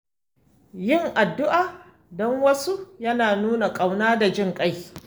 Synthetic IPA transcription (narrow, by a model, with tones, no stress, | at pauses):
jɪ˦˨ŋʔa˨dːʊ˦ʔaː˨ | dɔ˦ŋwɐ˦su˦jɐ˦naː˨nuː˦na˨kʼa˨wnaː˦da˨d͡ʒɪ˦ŋkʼa˦j